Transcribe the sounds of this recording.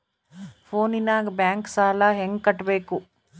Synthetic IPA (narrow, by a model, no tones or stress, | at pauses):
pʰoːninaːɡbjaːŋksaːlɐɦeŋɡ̚kɐʈːbe̞ːku